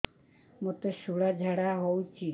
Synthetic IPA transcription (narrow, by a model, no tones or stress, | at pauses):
mot̪eʃuɽad͡ʒʱaɽaɦowt͡ʃʰi